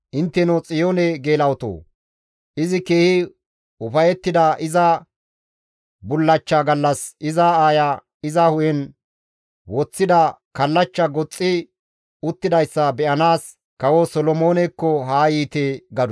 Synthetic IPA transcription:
ʔɪnt̪ːɛnɔt͡sʼɪjoːnɛɡeːlɐwt̪o̰ː | ʔɪzɪkeːhɪ | ʊfɐjɛt̪ːɪd̪ɐʔɪzɐ | bʊlːɐt͡ʃːɐɡɐlːɐsʔɪzɐaːjɐ | ɪzɐhʊjɛn | wɔt͡sːɪd̪ɐkɐlːɐt͡ʃːɐɡɔt͡sʼːɪ | ʊt̪ːɪd̪ɐjsːɐbɛʔɐnaːs | kɐwɔsɔlɔmo̞ːnɛkːɔɦaːjiːt̪eːɡɐd̪ʊ

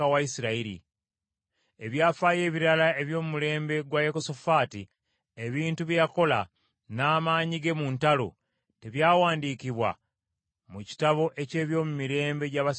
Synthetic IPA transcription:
awaisiɾaiɾḭ | e̞βjaːfaːje̞ːβiɾalae̞βjo̞ːmumule̞ːmbe̞ɡwajekosofaːti | eβiːntuβjejako̞la̰ | naːmaːɲiɡe̞muːntalo̞̰ | te̞βjaːwaːndiːkiβwa̰ | muci̥taβo̞ʔe̞ce̞ːβjo̞ːmumiɾe̞ːmbe̞ɟaβas

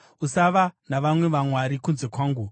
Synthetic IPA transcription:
usaʋanaʋamwe̞ʋamwaɾikunze̞kwaːŋɡu

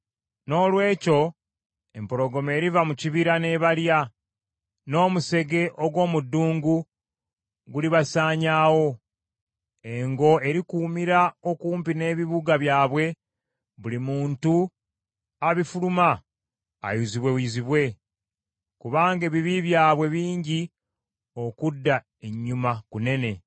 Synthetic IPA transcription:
no̞ːlwe̞ːco̞ | e̞mpoɾo̞ɡo̞me̞ːɾivamuciβiɾane̞βalja | no̞ːmuse̞ɡe̞ʔoɡwo̞ːmudːuːŋɡu | ɡuliβasaːɲaːwo̞ | e̞ŋɡo̞e̞ɾikuːmiɾao̞kuːmpine̞ːβiβuɡaβjaːβwe̞ | βulimuːntu | aβifuluma̰ː | juziβwe̞wiziβwe̞ | kuβaːŋɡe̞ːβiβiβjaːβwe̞βiːɲɟi | o̞kudːa | eɲːumakune̞ne̞

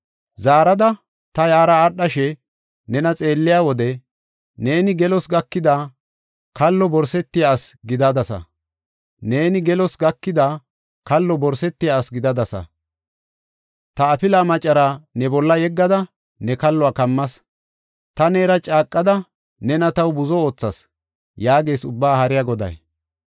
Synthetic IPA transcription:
zaːɾɐd̪ɐ | t̪ɐjaːɾɐːɗːɐʃɛ | nɛnɐt͡sʼe̞ːlːɪjaːwɔd̪ɛ | ne̞ːnɪɡɛlɔsɡɐkːɪd̪aː | kɐlːɔbɔɾsɛt̪ːɪjasɡɪd̪ɐd̪ɐsɐ̰ | ne̞ːnɪɡɛlɔsɡɐkːɪd̪a | kɐlːɔbɔɾsɛt̪ːɪjaːsɡɪd̪ɐd̪ɐsɐ̰ | t̪ɐːpɪlaːmɐt͡ʃʼːɐɾanɛbɔlːɐjɛɡːɐd̪ɐ | nɛkɐlːɔaːkɐmːɐs | t̪ɐne̞ːɾɐt͡ʃʼaːkʼːɐd̪ɐ | nɛnɐt̪ɐwbʊzɔo̞ːt͡sːɐs | jaːɡe̞ːsʊbːaːhɐɾɪjaɡɔd̪ɐ̰j

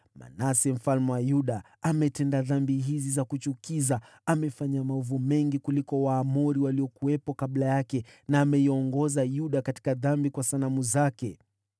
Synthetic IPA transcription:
ma̰nasɛm̩falmɛwajuɗa | amɛtɛndaðambiɦizizakut͡ʃukiza | amɛfaɲamaɔvumɛŋɡikulikɔwaːmuɾiwaliɔkuwɛpɔkaɓlajakɛnaːmɛiɔŋɡɔzajuɗakati̥kaðambikwasanamuzakɛ

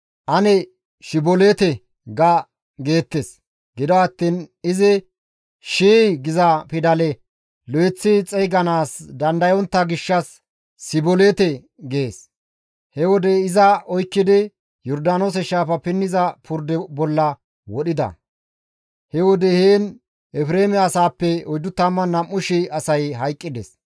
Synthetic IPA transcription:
ʔɐnɛ | ʃɪbɔleːt̪ɛ | ɡɐ | ɡe̞ːt̪ːes | ɡɪd̪ɔɐt̪ːiːnɪzɪ | ʃiːɡɪzɐpɪd̪ɐlɛ | lɔjɛt͡sːɪt͡sʼɛjɡɐnaːsd̪ɐnd̪ɐjɔnt̪ːɐɡɪʃːɐsː | ɪbɔleːt̪ɛ | ɡe̞ːs | hɛwɔd̪ɛɪzɐɔjkːɪd̪ɪ | jɔɾd̪aːnoːs̬ɛʃaːfɐpɪnːɪzɐpʰʊɾd̪ɛbɔlːɐ | wɔɗɪd̪ɐ̰ | hɛwɔd̪ɛheːn | ɛfɾeːmɛɐsaːpːɛɔjd̪ʊt̪ːɐmːɐnːɐmːʊʃɪɐsɐjɦɐjkʼːɪd̪ɛs

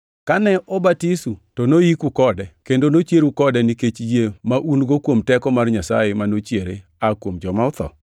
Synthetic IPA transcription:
kanɛɔbatisutɔnojikukɔdɛkendonot͡ʃjeɾukɔdɛniket͡ʃjemaʔunɡokwomtɛkɔmarɲasa̰jɪmanot͡ʃjeɾḛakwomd͡ʒɔmaʊt̪ɔ̰

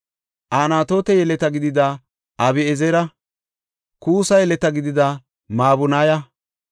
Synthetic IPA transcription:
ʔaːnaːt̪o̞ːt̪ɛjɛlɛt̪ɐɡɪd̪ɪd̪ɐ | ʔɐbɪɛzɛɾɐ | kuːsɐjɛlɛt̪ɐɡɪd̪ɪd̪ɐ | maːbʊnaːjɐ

